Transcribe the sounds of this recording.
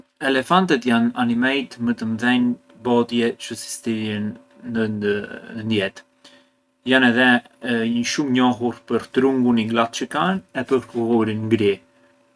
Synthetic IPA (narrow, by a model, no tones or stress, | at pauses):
ɛlɛfant̪ɛt̪jananimɛjt̪mət̪əmðɛn | bɔt̪jɛt͡ʃəsi̥st̪iɾjɛn | ənənd̪jɛt̪ | janɛðɛ | əʃumɲɔɦuɾpəɾt̪ɾuŋɡuniɡlat̪̚t͡ʃəkanɛpəɾkkuɦɔɾinɡɾi